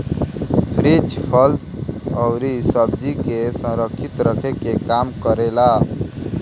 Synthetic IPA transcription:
pʰɾet͡ʃpʰəlt̪ɔʊɾisəb̚d͡ʒikesə̃ɾəkʰːɪt̪ɾəkʰekekaːmkəɾelaː

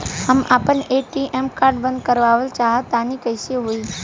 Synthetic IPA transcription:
həma̰ːpəneʈiʔemkaːɾɖbə̃nd̪̚kəɾʋaːʋəlt͡ʃaːɦət̪ːaːnikəsieɦoiː

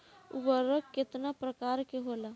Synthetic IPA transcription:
ṵbəɾəkːet̪napɾəkaɾkeɦola

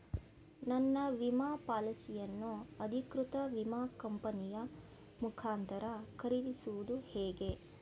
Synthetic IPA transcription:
nɐnːɐʋimaːpaːlɐsijɐnːuɐd̪ʱikɾut̪ɐʋimaːkɐmpɐnijɐ | mukʰaːnt̪ɐɾɐkɐɾilisuʋud̪uhɛːɡe̞

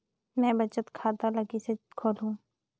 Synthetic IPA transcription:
mɛ̃ːbət͡ʃət̪kʰaːd̪aləɡisekʰoːlɦũː

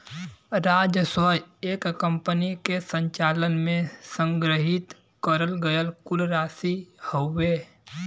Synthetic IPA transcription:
ɾaːd͡ʒəsəjeːkkə̃mpənikesə̃ɲt͡ʃaːlənmẽsə̃ŋɡɾəɦɪt̪ | kəɾəlɡəjəlkʊlɾaːsihoːeː

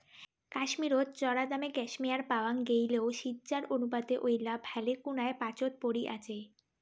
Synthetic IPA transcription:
kaʃmiɾot̪t͡ɕɔɾad̪ameɡɛʃmijaɾpaoaŋɡejleoʃid̪d͡ʑaɾonupad̪eʔojlabʱɛlekunaepat͡ɕot̪̚poɽiʔa̰t͡ɕʰe

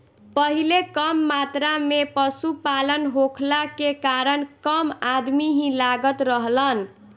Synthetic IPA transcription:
pʌɦilekʌmːat̪ɾamepʌsupalənɦokʰlakekaɾənkʌmad̪miɦĩlaɡət̪ɾʌɦlən

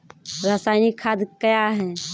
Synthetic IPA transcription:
ɾəsaːɪnikʰːad̪kəjaɦɛ

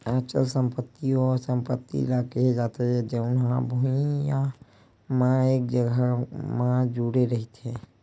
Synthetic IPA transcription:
aːt͡ʃəlsə̃mpət̪ːiɔːɾsə̃mpət̪ːḭlakəɦed͡ʒaːt̪eɦɛ̃d͡ʒeʊnɦãbʱuiija | mãeːk̚d͡ʒəɡʱəmãd͡ʒuɽeɾəɦit̪ɦɛ̃ː

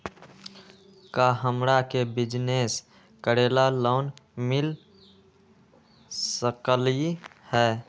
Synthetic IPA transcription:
kaɦəmɾakebɪd͡ʒneːs | kəɾeːlaloːnmɪl | səkəlihɛː

